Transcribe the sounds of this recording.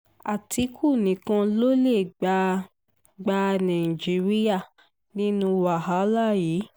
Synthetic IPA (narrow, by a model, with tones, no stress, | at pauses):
a˨tʰi˨˦kʰu˦˨nĩ˨˦kã˧lo˦le˦˨ɡ͡ba˧ | ɡ͡ba˧nã˨ĩ˨d͡ʒi˨˦ɾi˦ja˦˨ | nĩ˦nũ˧wa˨ɦa˨˦la˦˨jiː˨˦